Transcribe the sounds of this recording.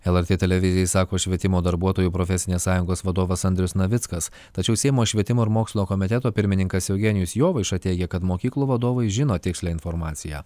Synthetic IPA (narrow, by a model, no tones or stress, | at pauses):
ɛlˠɛɾʲt̪ʲeːt̪ʲɛlʲɛʋʲɪzʲɪjɛsɑːkoːʃʲʋʲiɛt̪ʲɪmoːd̪ɐɾbuɔt̪oːjuːpɾofʲɛsʲɪnʲeːssɑːjʊŋɡoːsʋɐd̪oːʋɐsɐnʲd̪ʲɾʲʊsnɐʋʲɪt̪skɐs | t̪ɐt͡ʃʲɛʊsʲɛɪmoːʃʲʋʲiɛt̪ʲɪmoːɪɾmoːksʲlʲɪnʲoːkɔmʲɪt̪ʲɛt̪oːpʲɪɾʲmʲɪnʲɪŋkɐsjɛʊɡʲɛnʲɪjʊsjoːʋɐɪʃɐt̪ʲɛɪɡʲɛkɐt̪moːkʲiːklˠuːʋɐd̪oːʋɐɪʒʲɪnoːt̪ʲɪksʲlʲæːɪnfɔɾmɑːt̪sʲɪjæ̰ː